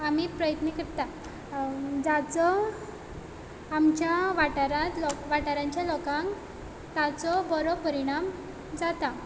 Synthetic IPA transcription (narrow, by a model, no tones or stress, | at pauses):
amiːpɾəjət̪nikəɾt̪a | d͡zat͡sɔ | mt͡ɕjaʋaʈaɾat̪lɔʋaʈaɾaɲt͡ɕjalɔkãŋk | t̪at͡sɔbəɾɔpəɾiɽ̃am | d͡zat̪a